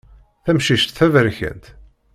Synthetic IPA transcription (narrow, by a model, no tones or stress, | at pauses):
θæmʃiʃt̪θævəɾçæ̰nt̪